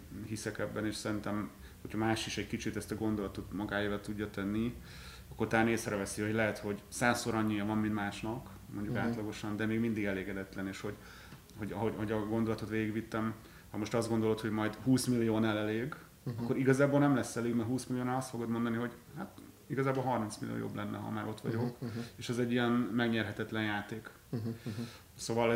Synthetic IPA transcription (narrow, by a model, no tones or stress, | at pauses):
ɦisɛkɛbːɛneːʃsɛɾint̪ɛm | hocʰhɒmaːʃiʃɛɟkit͡ʃit̪ɛst̪ɒɡo̞nd̪o̞lɒt̪o̞t̪mɒɡaːjeːvɒt̪uɟːɒt̪ɛnːi | ɒkːo̞rt̪aneːsɾɛvɛsiho̞ɟlɛɦɛt̪ho̞ɟsaːsːoɾɒɲːijɒvɒmmint̪maːʃnɒk | mo̞ɲɟukaːt̪lɒɡo̞ʃɒnd̪ɛmeːɡmind̪iɡɛleːɡɛd̪ɛt̪lɛneːʃho̞ɟ | hoɟɒɦoɦo̞ɟɒɡo̞nd̪o̞lɒt̪o̞t̪ʋeːɡiɡʋit̪ːɛm | hɒmo̞ʃt̪ɒzdɡo̞nd̪o̞lot̪ho̞ɟmɒjd̪huːsmilːijoːnalɛleːɡ | ɒkːo̞ɾiɡɒzaːboːlnɛmlɛsːɛleːɡmɛrɦuːsmilːijoːnaːlɒst̪fo̞ɡo̞d̪mo̞nd̪ɒniɦo̞ɟ | hat̪ | iɡɒzaːbolɦɒrminsmilḭjo̰ːjo̰blɛnːɛ̰ɦɒ̰maːɾo̞t̪ʋɒ̰ɟo̞keːʃɛzɛɟːijɛnmɛɡɲɛrɦɛt̪ɛt̪lɛnjaːt̪eːk | soːvɒl